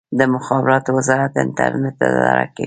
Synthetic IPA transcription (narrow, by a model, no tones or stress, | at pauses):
d̪əmʊxɑbɪɾɑt̪owɪzɑɾat̪̚ːɪ̰nt̪a̰ɾnɪt̪̚ːaɑɾaka